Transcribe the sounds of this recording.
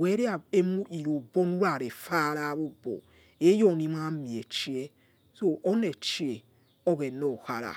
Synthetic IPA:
wɛ˨˦ɾi˦a˨e˦mu˦i˨ɾo˨bɔ˦nu˦ɾa˨ɾe˨fa˦ɾa˦βo˦bo̰˨ | e˦jɔ˦˨n˦i˦m˦a˦mi˨e˨t͡ʃi˦e˦ | so˦ʔɔ˦ne˨t͡ʃi˦e˨ | ɔ˦ɣɛ˨nɔ˨ha̰˦ɾa̰˨

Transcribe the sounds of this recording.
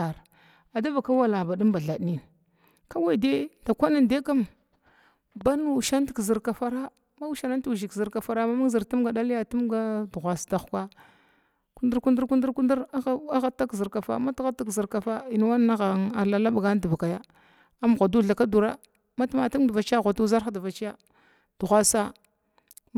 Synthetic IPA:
a˨ɾ | a˨da˦va˨ka˦wa˦la˨ba˨di˦mba˨ɮa˨dni˦ | ka˦wa˨i˨de˦da˨kʷa˦na˨nde˦ka˦m | ba˦nu˨ʃa˦n˦ti̥˨kzi˨ɾka˨fa˦ɾa˦ | ma˦u˦ʃa˨na˦tu˦˨ʒi˨kzi˨ɾka˨fa˨ɾa˦ma˦ma˦ɡzi˨ɾtu˦mɡa˨ɗa˦li˦ja˨tu˦mɡa˦du˨ɣʷa˨sda˨xka˦ | ku˦ndu˦ɾku˦ndu˦ɾku˦ndu˦ɾku˦ndi˦ɾa˦ɣa˦ta˦kzi˨ɾka˨fa̰˦ma˦tɣa˦ta˦kzi˨ɾka˨fa˦i˨n˦wa˦n˦a˦ɣa˨ŋa˨la˨la˦bɡa˦n˦du˨va˨ka˨ja˦ | a˦m˨ɣʷa˨du˦ɮa˨ka˦du˨ɾa˦ | ma˦tu˦ma˨tu˦mda˨va˨t͡ʃi˦a˦ɣʷa˨tu˦za˦ɾxa˦da˨va˨t͡ʃi˦ja˦ | d̥u˨ɣʷa˨sa˦

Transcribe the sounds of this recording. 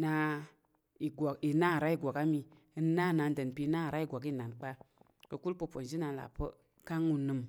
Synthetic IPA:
na˧˦ | i˨ɡi˨na˦˨ɾa˦i˦ɡʷa˨ka˦mi˧ | ə˧˦na˦˨na˨ndə˨n˨pi˧˦na˦˨ɾa˦i˦˨ɡʷa˨ki˦˨na˨nk͡pa˦ | kə˨ku˦lpə˧po˨n˨d͡ʒi˦na˧la̰˨pə̰˦ | ka˦ŋu˧nɨ˨m

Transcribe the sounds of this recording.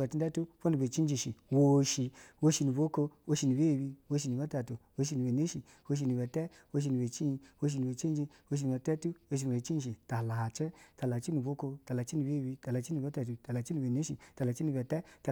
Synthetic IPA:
a˨ti˧˦da˦tu˦fo˦nu˨be˨t͡ʃi˦n˦d͡ʒi˧ʃi˨wo˧ʃi˧wo˧ʃi˧nu˨bo˦ko˧wo˧ʃi˧nu˨be˦˨bi˧wo˧ʃ̬i˧nu˨ba˦ta˨tu˨wo˧ʃ̬i˧nu˨be˨ne˦ʃi˨ | wo˧ʃ̬i˧nu˨ba˨tɛ˦ | wo˧ʃ̬i˧nu˨be˨t͡ʃi˦i˧wo˧ʃ̬i˧nu˨be˨t͡ʃi˦d͡ʒi˧ | wo˧ʃ̬i˧nu˨a˨tɛ˦tu˦wo˧ʃ̬nu˨e˨t͡ʃi˦˨ʃ̬i˨ta˨la˨t͡ʃə˦ta˨la˨t͡ʃi˦nu˨bo˦ko˧ta˨la˨t͡ʃi˦nu˨be˦˨bi˧ta˨la˨t͡ʃi˦nu˨ba˦ta˨tu˨ta˨la˨t͡ʃi˦nu˨be˨ne˦ʃi˧ta˨la˨t͡ʃi˦nu˧ba˨tɛ˦ta˨

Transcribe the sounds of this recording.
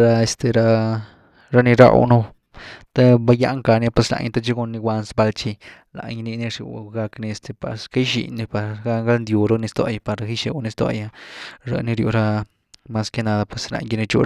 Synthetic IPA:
ɾa˧e˧st̪e˧ɾa˧ | ɾa˦ni˧ɾa̰˦˧wnu˦ | t̪a˦ba˧˦ja̰˦ʔŋka˧nja˦pwe˧sla̰˧ɲ˧t̪a˦t͡ʃi˦ɡo˧nːi˧wʷa˧nsba˧lt͡ʃi˧ | la̰˨ɲ˧ni˧ni˧ʂṵ˧˨˧ɡa˧kni˧e˧st̪ʰe˧pa̰˨ɾska˦jʃḭ˨ni˧pa˧ɡa˦ŋɡa˦lnd̪ju˧ɾo˦ni˧st̪o̰˧ja˧pa˨ɾɾa˧xi˦ʃe˧wni˧st̪o̰˧ja˧ɾa̰˧ni˧ɾjṵ˧ɾa˦ | ma˧ske˦na˧d̪a˧pwe˧˨sla̰˧ɲɡi˧ni˧t͡ʃṵ˧

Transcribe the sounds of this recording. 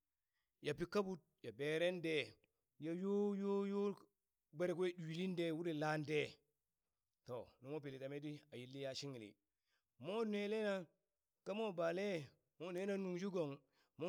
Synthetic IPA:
ja˨pi˨˦ka˦bu˦t̚ja˨be˨ɾe˦nde˨ | ja˨jo˦jo˦jo˦ | be˦˨ɾe˨ke˦du˨i˨li˦nde˦˨wu˦ɾi˨la˦nde˦ | to˨nu˨mo˦pi˨li˨ta˨me˦di˦a˨ji˨lːi˦ja˦ʃi˦ŋi˨lḭ˨ | mo˦ne˨le˦na˦ | ka˦mo˦ba˨le˦ | mo˦ne˦na˦nu˨ŋd͡ʒu˦ɡo˨ŋ | mo˦

